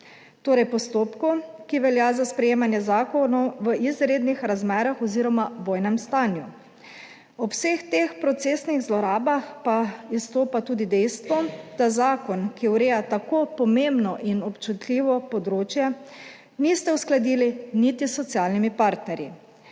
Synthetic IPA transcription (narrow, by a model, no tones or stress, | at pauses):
t̪oːɾɛjpɔst̪oːpkukiʋɛljazaspɾɛjeːmanjɛzaːkɔnɔwʋəʔizɾeːd̪nixɾazmɛːɾaxɔziːɾɔmaʋoːjnɛmst̪aːnju | ɔwsext̪expɾɔt̪seːsniɣzlɔɾaːbaxpaist̪oːpat̪uːd̪id̪ɛjst̪ʋɔd̪̥azaːkɔnkiwɾeːjat̪akopɔmembnɔʔinɔpt͡ʃut̪liːʋɔpɔd̪ɾoːt͡ʃjɛ | niːst̪ɛusklad̪iːlinit̪isːɔt̪sjaːlnimipaɾt̪nɛɾji